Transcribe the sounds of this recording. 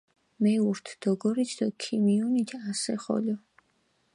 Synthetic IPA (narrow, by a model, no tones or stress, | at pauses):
mɛuɾt̪ʰd̪̥ɔɡɔɾit̪ʰd̪ɔkʰimiɔnit̪ʰasɛχɔ̰lɔ